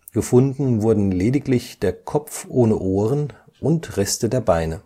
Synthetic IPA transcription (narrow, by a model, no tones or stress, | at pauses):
ɡ̥əfʊndn̩vʊɐdn̩leːdɪklɪçd̥eːɐkʰɔpp͡fʔoːnəʔoːʁən | ʔʊntʁɛstədeːɐbaɪnə